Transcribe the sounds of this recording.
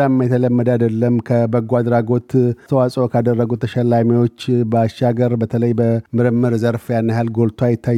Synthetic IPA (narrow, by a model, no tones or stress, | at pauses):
amːajt̪ʰələmːəd̪əad̪əlːəmkʰəbəɡwad̪ɾaɡo̞t̪t̪ʰəwasʼokʰad̪ərːəɡut̪ʰəʃəlːamiwo̞t͡ʃːbəaʃaɡəɾbət̪ʰələjbəmɨɾɨmːɨɾzəɾfjanːahalɡo̞lt̪ʰwajɪt̪ʰːaj